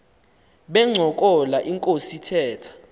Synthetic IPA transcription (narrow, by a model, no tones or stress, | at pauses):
ɓɛŋ͡ǀʱɔk̬ʼɔlaʔiŋkʼositʰɛːtʰḁ